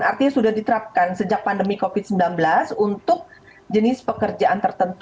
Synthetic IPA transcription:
a̰rt̪iɲasudahdit̪əɾap̚kansəd͡ʒak̚pandəmikofɪt̪̚səmbilanbəlasunt̪ʊk̚ | d͡ʒənɪspəkərd͡ʒaʔant̪ərt̪ənt̪

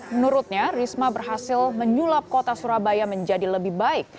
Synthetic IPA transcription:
mənuɾʊt̪̚ɲarismabərɦasɪlməɲulap̚kot̪asuɾabajaməɲd͡ʒadiləbɪhbaɪk̚

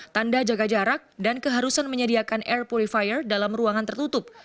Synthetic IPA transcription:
t̪andad͡ʒaɡad͡ʒaɾak̚dankəɦaɾusanməɲədiakanʔɛrpɔlifajərdalamruaŋant̪ərt̪ut̪ʊp̚

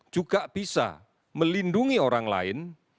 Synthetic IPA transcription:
d͡ʒ̥uɡ̥aʔb̥isa̰ | məlinduŋioɾaŋla̰ɪn

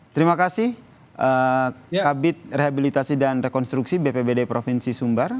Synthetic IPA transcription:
t̪əɾimakasɪh | ʔə | abɪt̪̚reɦabilit̪asidanrɛkɔnst̪ɾuksibepebedepɾofinsisumbar

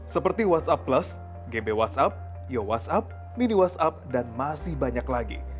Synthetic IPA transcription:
səpərt̪iwat̪sapːləs | ɡebewat̪sap̚ | jowa̰t̪sap̚ | miniwat̪sap̚danmasɪhbaɲaklaɡḭ

